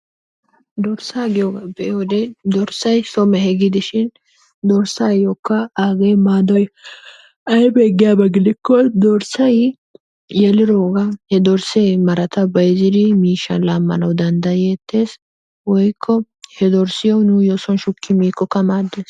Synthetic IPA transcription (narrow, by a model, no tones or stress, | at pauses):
d̪ɔɾsaːɡɪjɔɡɐbɛʔwɔd̪ɛd̪ɔɾsɐjsɔmɛhɛɡɪd̪ɪʃɪn | d̪ɔɾsaːjɔkːɐaːɡejmaːd̪ɔj | ɐjbeːɡɪjabɐɡɪd̪ɪkːɔd̪ɔɾsɐj | jɛlɪɾoːɡɐhɛd̪ɔɾsemɐɾɐt̪ɐbɐjzɪd̪ɪmiːʃːɐ̰nlaːmːɐ̰nɐwd̪ɐnd̪ɐjɛːt̪ʰːe̞ːs | wɔjkʰːɔ | hɛd̪ɔɾsɪjɔwnʊjoːsɔnʃʊkʰːɪmiːkːɔkɐmaːd̪ːeːs